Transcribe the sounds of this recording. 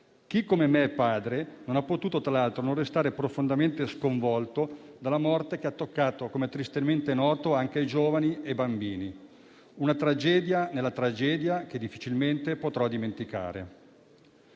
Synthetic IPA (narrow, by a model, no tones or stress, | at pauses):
k̟ikːomemeɛpːaːd̪ɾenonapːot̪uːt̪ot̪ɾalalt̪ɾonõnrːest̪aːɾepɾofond̪ament̪eskoɱvɔlt̪od̪alːamɔrt̪ek̟eat̪ːokːaːt̪okomet̪ɾist̪ement̪enɔːt̪oaŋkeajd͡ʒoːvaniebambiːni | unat̪ɾad͡ʒɛːd̪janelːat̪ɾad͡ʒɛːd̪jak̟ed̪ifːit͡ʃilment̪epot̪ɾɔd̪iment̪ika̰ːɾḛ